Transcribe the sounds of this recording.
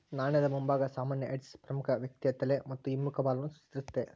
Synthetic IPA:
naːɳjɐd̪ɐmumbaːɡɐsaːmaːnjɐʔeɖspɾɐmukʰɐʋjɐk̚t̪iɐt̪ːɐlemɐt̪ːuimːukʰɐbaːlɐnusu̥t͡ʃit̪iɾut̪ːe

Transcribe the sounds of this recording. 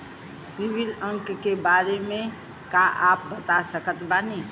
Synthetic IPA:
sibiləŋkkebaɾeme | kaʔap̚bət̪asəkət̪banɛ

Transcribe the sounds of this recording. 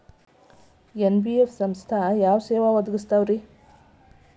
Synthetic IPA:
enbiefʰsɐmst̪ʰajaːʋseːʋaʋɐd̪ɐɡist̪aːʋɾi

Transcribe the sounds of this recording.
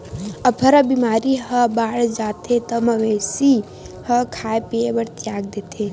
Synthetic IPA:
ɐpʰɐɾəbimaːɾiɦəbaːɽd͡ʒaːt̪ʰet̪əmɐʋesi | həkʰaːepiebəɾt̪jaːɡ̚d̪eːt̪ʰe

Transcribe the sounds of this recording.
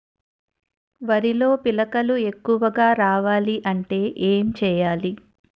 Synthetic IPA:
ʋɐɾilo̞ːpilɐkɐlue̞kːuʋɐɡaːɾaːʋaːliʔɐɳʈe̞ːʔeːmt͡ʃɛːjaːli

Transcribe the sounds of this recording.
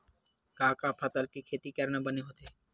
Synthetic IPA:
kaːkapʰɐt̪əlkikʰeːt̪ikɐɾnabəneɦoːt̪e

